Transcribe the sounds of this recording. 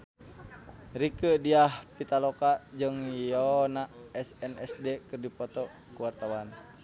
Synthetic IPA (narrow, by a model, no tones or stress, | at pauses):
rikədiahpit̪alokad͡ʒəŋjɔnaɛsɛnɛsdɛkɨrdipɔt̪ɔ | kuwart̪awan